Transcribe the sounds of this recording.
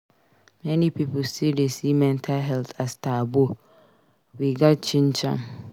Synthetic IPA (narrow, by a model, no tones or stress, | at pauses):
mɛ̃nĩpʰipʊsidesimɛ̃ntʰalɦɛltʰastʰaːbo | wiɡat͡ʃʰĩnt͡ʃʰã̰m